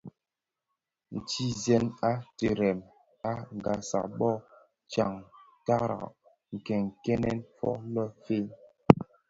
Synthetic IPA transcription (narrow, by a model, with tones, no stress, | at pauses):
n̩˨ti˦zɛ˦na˦te˨ɾɛ˨m | a˦ŋ˨ɡa˨sa̰˨ɓɔ˦˨ | t͡ʃa˨ŋ | ta˦ɾa̰˨ | ŋ̩˨kɛ˨ŋkɛ˦nɛ˦nfɔ̰˦lɔ˦fe˦